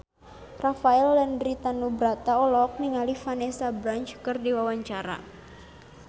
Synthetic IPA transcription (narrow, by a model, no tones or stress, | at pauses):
rafaɛlːandɾit̪anubɾat̪aɔlɔk̚niŋalifanɛsabɾant͡ʃkɨrdiwawaɲt͡ʃaɾa̰